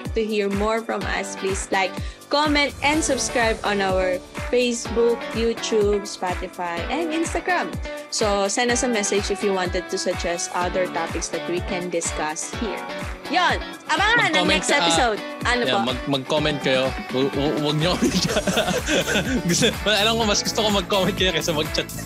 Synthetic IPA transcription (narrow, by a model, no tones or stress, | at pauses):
t̪ʊhiɹmɔɹfɹɔ̃mʔɐ̰splislajkː | ɔmɛ̃nt̪̚ʔɛ̃nd̪sʊbskɹajbʔɔ̃nawəɹfejsbuk̚juːt̪ub̚spat̪ɪfajʔɛ̃nd̪ɪ̃nst̪ɐɡɹãmsosɛ̃nd̪ɐsɐmɛsɛd͡ʒɪfjuwãnt̪ɛd̪̚t̪ʊsʊd͡ʒɛst̪ʔɐd̪əɹt̪apɪksd̪ɐt̪̚wikɛ̃nd̪ɪskɐshiɹjon | ʔɐbaɐmanɐonmɛɛkst̪ɛpɪsowd̪̚ʔɐnojmɐɡmɐɡ̚komɛnt̪̚kɐjo | wɐɡ̚ɲoʔɐbikɐa | ɡʊsɛmɐʔɐlɐmkomɐsɡʊst̪okomɐɡ̚komɛnt̪kɐjokɐsɛmɐɡ̚t͡ʃat̪̚